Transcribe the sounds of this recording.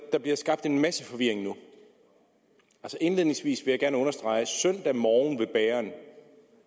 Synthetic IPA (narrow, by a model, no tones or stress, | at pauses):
d̥ɑ̈b̥liɐsɡ̥ɑ̈b̥̚d̥e̝nmæsəfɒ̽ʋiɐ̰e̝ŋnu | ælsɒʔe̝nle̝ð̰ˠneŋsʋḭːsʋe̝jäɡ̥æɐnəɔ̽nɐsd̥ʁɑ̈ɪsœn̰d̥æmɒːn̩ʋe̝b̥ɛːɐn